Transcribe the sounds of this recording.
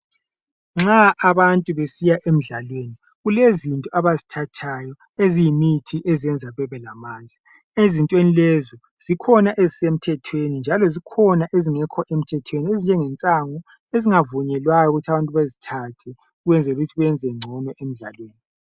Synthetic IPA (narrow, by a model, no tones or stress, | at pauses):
ŋ͡ǁaʔaβantʼuβesijaʔem̩ɮalweːni | ɣulezintʼɔʔaβazitʰatʰajɔ | ezijimitʰiʔeziɛnd͡zʱaβɛβɛlamaːnd͡ɮʱa | ezintʼwenilɛzɔ | z̥ikʰɔnaʔezisem̩tʰɛtʰwenind͡ʒʱalɔzikʰɔnaʔeziŋɛkʰɔʔem̩tʰɛtʰweniezind͡ʒʱɛŋɛnt͡sʼaŋɔ | eziŋavuɲɛlwajɔuɣutʰaβantʼuβazitʰatʰɛ | uɣɛnd͡zʱɛluɣutʰiβɛɛnd͡zʱɛŋ͡ǀʱɔnɔʔem̩ɮa̰lweːni